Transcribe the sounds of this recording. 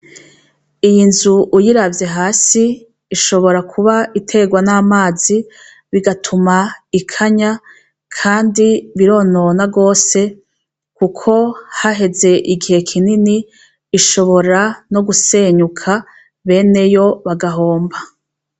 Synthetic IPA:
ijinzuʔujiɾavje̞ɦaːsiː | ʃo̞βo̞ɾakʰuβaʔitʰe̞ɡwanaːmaːzi | βiɡatʰumaikʰaɲa | kʰaːndiβiɾo̞ːno̞naɡo̞ːse̞ | kukʰo̞haɦe̞ze̞ʔiɡihe̞kʰininiː | ʃo̞βo̞ɾano̞ɡuse̞ɲukʰa | βe̞ːne̞jo̞βaɡaɦo̞ːmba

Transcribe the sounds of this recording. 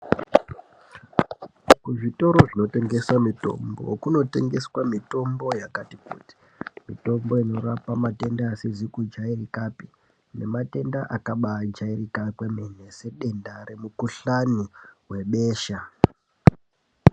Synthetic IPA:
kuʐito̞ɾo̞ʐino̞te̞ŋɡe̞swamito̞̰mbo̞̰kuno̞te̞ŋɡe̞swamito̞mbo̞jakatikṵːti̥ | mito̞mbo̞ino̞ɾapamate̞ndaːsizikud͡ʒairikapi | ne̞mate̞ndaʔakaɓad͡ʒairikapwemen̤e̞se̞ɗe̞ndare̞mukuɬaniwe̞ɓe̞ːʃa

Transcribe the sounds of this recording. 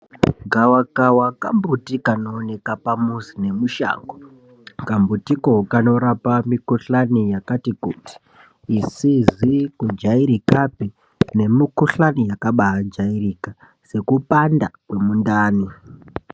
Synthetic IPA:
ɡʱawakawakambutikanoːne̞kapamusine̞muʃa̰ːŋɡo | kambutikokano̞ɾapamikuɬanijakatikuːti̥ː | sizikud͡ʒaiɾikape | ne̞mikuɬanijakaɓaad͡ʒaiɾika | se̞kupandakwe̞mundaːni

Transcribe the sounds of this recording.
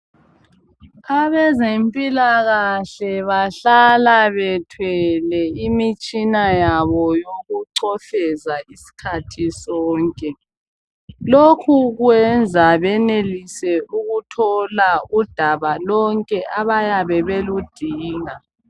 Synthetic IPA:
aβɛzempʼilaɣaɬɛβaɬalaβɛtʰwɛlɛimit͡ʃʼinajaβɔjoɣuǀɔɬɛzaisi̥kʰatʰisɔːŋkʼɛ | lokʰuɣwɛnd͡zʱaβɛnelisɛuɣutʰɔlaud̥ʱaβalɔŋkʼɛʔaβajaβɛβelud̥ʱiːŋa

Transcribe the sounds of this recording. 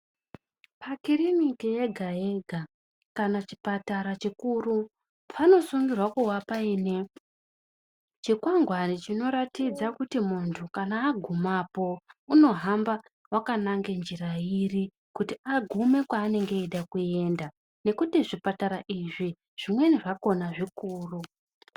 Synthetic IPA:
pakirinikijeɡʱaje̞ɡʱa | kanat͡ʃi̥pataɾat͡ʃikuru | pʰano̞suŋɡirwakuwapaiːne̞ | t͡ʃikwaŋɡwanit͡ʃino̞ɾatid͡zakutimuntʰukanaːɡʱumapo̞uno̞ɦamba | wakanaŋɡe̞nd͡ʒiɾairi | kutiaɡʱume̞kwaːne̞ŋɡe̞iɗakue̞nda | ne̞kutiʐipataɾaʔiʐi | ʐ̥imwe̞niʐako̞naʐikuːru

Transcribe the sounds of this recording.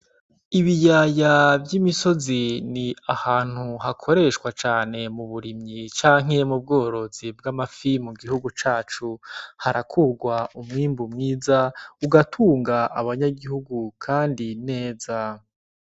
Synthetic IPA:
iβijaːjavjimiso̞ziniahaːn̥huɦakʰo̞ɾe̞ʃkwat͡ʃaːne̞muβuɾimɲit͡ʃaːŋ̥e̞mub̚ɡo̞ːɾo̞zib̚ɡamafimuɡiɦuɡut͡ʃaːt͡ʃuhaɾakʰuɾɡwaumŋiːmbumŋiːzauɡatʰuːŋɡaʔaβaɲaɡihuɡukʰaːndine̞ːza

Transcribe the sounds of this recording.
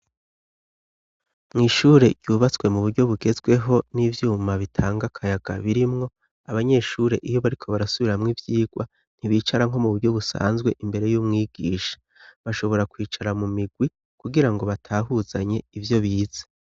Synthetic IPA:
mŋiːʃuːɾe̞ɟ̥juːβat͡swe̞muβuɾɟo̞βuɡe̞zɡwe̞ɦo̞nivjuːmaβitʰaːŋɡakʰajaɡ̥a̰βiɾimŋo̞ | aβaɲe̞ːʃuːɾe̞ʔijo̞βaɾikʰo̞βaɾasuβiɾamŋivjiːɡwa | n̥iβiːt͡ʃaɾaŋ̥ɦo̞muβuɾɟo̞βusa̰ːnzɡwe̞ʔimbe̞ɾe̞juːmŋiːɡ̥iːʃḁ | βaʃo̞βo̞ɾakwiːt͡ʃaɾamumiɡwi | kuɡiɾaŋɡo̞βatʰaːɦuzaɲe̞ivjo̞βiːz̥e

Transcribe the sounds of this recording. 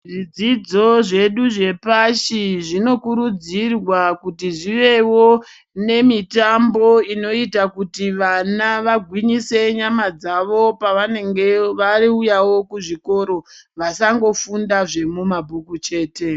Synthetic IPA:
ʐid͡zid͡zo̞ʐe̞ɗuʐe̞paʃiʐino̞kuɾud͡zirwakutiʐiʋe̞wo̞ | ne̞mitambo̞ino̞itakutiʋanaʋaɡʱwiɲise̞ɲamad͡zaʋo̞paʋane̞ŋɡe̞ʋariujawo̞kuʐiko̞ɾo̞ʋasaŋɡo̞fundaʐe̞mumabʱukut͡ʃe̞ːte̞

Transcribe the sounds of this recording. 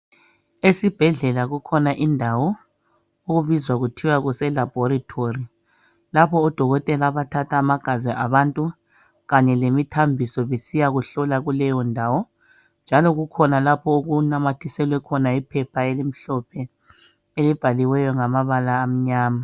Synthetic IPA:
esib̥ʱɛɮɛlaɣukʰɔnaʔindʱawɔ | oɣuβizwaɣutʰiwaɣusɛlab̥ʱɔɾitʰori | lapʰɔːd̥ʱɔɣɔtʼɛlaβatʰatʰaːmaɡ̥ʱazɛʔaβantʼu | ɣaɲɛlemitʰambʱisɔβesijaɣuɬɔlaɣulɛjɔndʱaːwɔ | nd͡ʒʱalɔɣukʰɔnalapʰɔuɣunamatʰisɛlwɛkʰɔnaipʰɛpʰaelim̩ɬɔpʰɛ | elib̥ʱaliwɛjɔŋamaβalaːm̩ɲaːma

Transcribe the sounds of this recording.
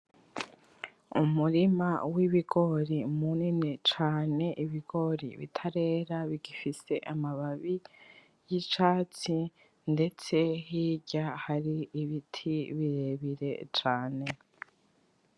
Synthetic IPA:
umuɾima̰wiβiɡ̥o̞ɾimuninit͡ʃaːne̞ʔiβiɡo̞ɾḭβḭtʰaɾe̞ːɾaβiɡifise̞ʔamaβaβi | jit͡ʃaːt͡si | nde̞t͡se̞ɦiːɟahaɾiiβitʰiβiɾeβiɾe̞̰t͡ʃaːne̞

